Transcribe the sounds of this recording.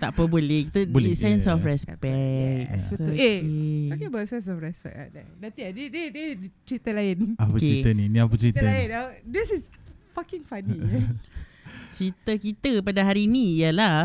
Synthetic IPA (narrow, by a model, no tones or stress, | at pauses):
t̪aʔpəbolɛkit̪əbolisɛnsɔfɾɛspɛkseisakibəsɛns̬ɔfɹɛspɛ̰k̚a̰danãnt̪iadidədət͡ʃɾit̪əlaɪnaopəkt͡ʃeɾit̪əninĩapət͡ʃɾit̪əaɪnadisisfakɪŋfani | t͡ʃɾit̪əkit̪əpadaɦaɾinĩjəla